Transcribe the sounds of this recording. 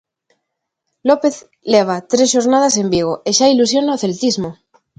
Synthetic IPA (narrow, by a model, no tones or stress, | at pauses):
lope̞θ | leβ̞at̪ɾesʃoɾnað̞ase̞mbiɣ̞oʔeʃailusjo̞naoθe̞lt̪izmo